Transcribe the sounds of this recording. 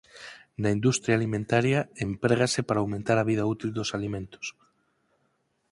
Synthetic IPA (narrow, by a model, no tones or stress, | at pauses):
naind̪ust̪ɾjaːlimẽnt̪aɾjaempɾeɣasɪpaɾawmẽnt̪aɾaβið̞ɐut̪ild̪osalimẽnt̪o̥s